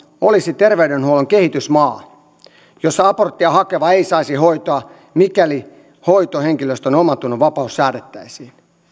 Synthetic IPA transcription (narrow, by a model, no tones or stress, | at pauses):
olisit̪erʋeydenhuoloŋkehit̪ysmɑː | josːɑɑport̪ːiɑhɑkeʋɑeisɑisihoit̪oɑ | mikæli | hoit̪oheŋkiløst̪onomɑt̪unːuʋɑpɑussæːɾet̪ːæisiːn